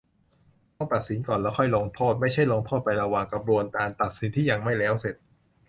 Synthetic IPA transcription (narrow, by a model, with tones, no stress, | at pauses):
ɔ˥˩pa˨˩t̪̚si˩˦nkɔː˨˩nlɛː˦˥wxʰɔ˥˩jloː˧ŋt̪ʰoː˥˩t̪̚ma˥˩jt͡ɕʰa˥˩jloː˧ŋt̪ʰoː˥˩t̪̚pa˧jɾa˧waː˨˩ŋka˧p̚ɾu˧ənkaː˧nt̪a˨˩t̪̚si˨˩˦nt̪ʰiː˥˩ja˨˩ŋma˥˩jlɛː˦˥wse˨˩t̪̚